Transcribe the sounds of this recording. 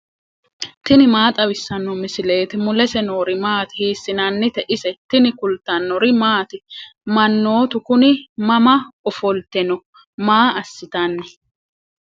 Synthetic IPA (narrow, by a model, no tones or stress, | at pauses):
t̪ɪnɪmaːt̪ʼɐwɪsːɐnːɔmɪsɪle̞ːt̪ɪmʊlɛsɛnoːɾɪmaːt̪ɪ̥hiːsːɪnɐnːɪt̪ɛʔɪsɛt̪ɪnɪkʊlt̪ːɐnːɔɾɪmaːt̪ɪmɐnːo̞ːt̪ʊkʊnɪmɐmɐɔfɔlt̪ɛnɔ | maːɐsːɪt̪ɐnːɛ